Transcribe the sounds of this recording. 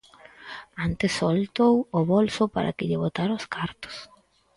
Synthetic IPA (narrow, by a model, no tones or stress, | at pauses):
ant̪esːolt̪owoβolsʊpa̰ɾa̰kɪʎɪβot̪aɾãoskaɾt̪o̥s